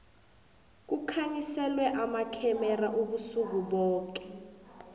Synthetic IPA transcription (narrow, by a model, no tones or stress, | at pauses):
k̬ukʰaɲisɛlwɛʔamakʰɛmɛraʔuɓusuk̬uɓɔːk̬ɛ̥